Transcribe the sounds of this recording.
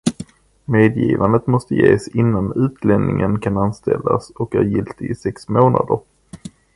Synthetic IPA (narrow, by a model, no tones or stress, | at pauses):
meːd̪jiːvand̪ət̪mɔst̪əjeːsɪnːanʉ̟ːt̪ʰlɛnnɪŋənkʰananst̪ɛlːasɔkhæɾjɪlt̪ɪɪsɛksmoːnʔad̪əɾ